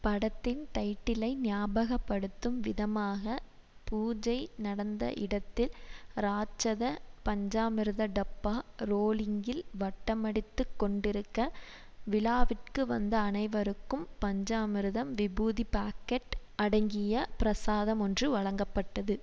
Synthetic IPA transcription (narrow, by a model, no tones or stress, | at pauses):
pɐɽɐt̪ːɪnt̪ɐɪʈːɪlɐɪnɪjaːbɐɣɐpːɐɽɯt̪ːɯmʋɪðɐmaːɣɐ | puːd͡ʒɐɪnɐɽɐnd̪ɐ̰ʔɪɽɐt̪ːɪlɾaːt͡ʃːɐðɐpɐɲd͡ʒaːmɪɾɯðɐɖɐpːaːɾoːlɪŋɡɪlʋɐʈːɐmɐɽɪt̪ːɯkːɔɳɖɪɾɯkːɐ | ʋɪlaːʋɪʈkɯʋɐ̰nd̪ɐːnɐɪʋɐɾɯkːɯmpɐɲd͡ʒaːmɪɾɯðɐmʋɪbuːðipaːkːɐʈ | ɐɽɐŋɡɪjɐpɪɾɐsaːðɐmɔndrɯʋɐɻɐŋɡɐpːɐʈːɐðɯ